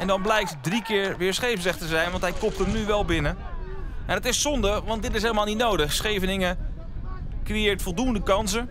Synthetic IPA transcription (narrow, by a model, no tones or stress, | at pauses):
ɛndɑnblɛjk̚tdrikɪːɹʋɪːɹsχejvəsəχtəzɛjnʋɑntɦɛjkɔp̚təmnyʋɛlˠbɪnə | ɛndətɪssɔndəʋɑntdɪtɪs̬ɦeːləmalˠnitnowdəχsχejvənɪŋə | krejɪːɹtfolˠduəndəkɑnsə